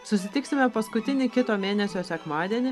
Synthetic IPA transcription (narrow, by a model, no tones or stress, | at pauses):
sʊsʲɪt̪ʲɪksʲɪmʲɛpɐskʊt̪ʲɪnʲɪkʲɪt̪oːmʲeːnʲɛsʲoːsʲɛkmɑːd̪ʲiɛnʲɪ